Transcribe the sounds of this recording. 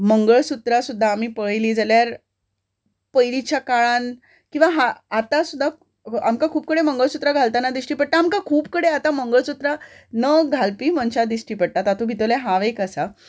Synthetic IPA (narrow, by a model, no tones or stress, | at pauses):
məŋɡəɭsut̪ɾasud̪ʱːaːm̤iːpəɭliːd͡zaljaɾ | pəjlit͡ɕjakaɭan | kĩw̃ʋaɦaat̪asud̪ʱːa | amkakʰuːp̚kəɽeməŋɡəɭsut̪ɾaɡʱalt̪anad̪isʈiːpəɽ̚t̪aːmkakʰuːpkəɽeat̪aməŋɡəɭsut̪ɾanəɡʱalpiːmənt͡ɕad̪isʈiːpəɽ̚t̪at̪at̪ʰũɡʱit̪əʋljaɦãʋekasa